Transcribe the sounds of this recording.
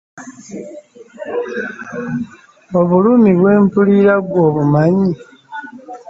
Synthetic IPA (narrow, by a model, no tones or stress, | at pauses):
o̞βulumiβwe̞ːmpuliɾaɡwo̞ːβumaɲi